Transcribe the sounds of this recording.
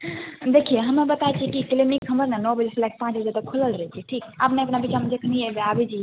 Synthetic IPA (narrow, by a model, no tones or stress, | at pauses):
d̪ekʰieɦəmebət̪aet͡ʃʰikikelenikʰəməɾnanɔbəd͡ʒeslak̚pãt͡ʃbəd͡ʒad̪əkʰuləlɾəɦɛt͡ʃʰiʈʰika̰pneəpnabit͡ʃamed͡ʒekʰniebeabɛt͡ʃʰi